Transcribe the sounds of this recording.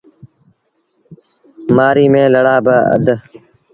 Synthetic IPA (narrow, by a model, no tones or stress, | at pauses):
maːɾiːmẽːləɽaːbəə̰d̪